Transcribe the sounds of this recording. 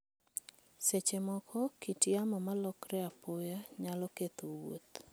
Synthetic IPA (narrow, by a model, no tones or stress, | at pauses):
set͡ʃemɔkʰɔkitjamɔmalɔkrɛapɔjaɲalɔket̪owo̰t̪